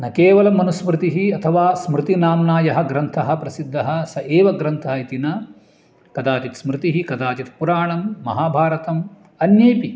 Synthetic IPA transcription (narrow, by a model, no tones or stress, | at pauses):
nɐkeːʋɐlɐmːɐnusmɾɪt̪iɦiɐt̪ʰɐʋaːsmɾɪt̪inaːmnaːjɐɦɐ̆ɡɾɐnt̪ʰɐɦɐ̆pɾɐsid̪ːɐɦɐsɐʔeːʋɐɡɾɐnt̪ʰaːit̪inɐ | kɐd̪aːt͡ʃit̪smɾɪt̪iɦikɐd̪aːt͡ʃit̪puɾaːɳɐmːɐ̰ɦaːbʱaːɾɐt̪ɐm | ɐnjɐːpi